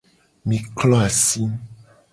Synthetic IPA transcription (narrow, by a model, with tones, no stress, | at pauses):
mĩ˨klɔ˦a˨si˦m